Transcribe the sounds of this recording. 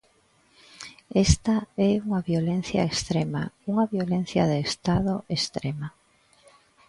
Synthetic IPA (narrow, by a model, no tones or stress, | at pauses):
est̪aɛuŋaβjolen̟θja̰est̪ɾema̰uŋɐβjolẽn̟θjɐ̰ðeːst̪aðoʔest̪ɾema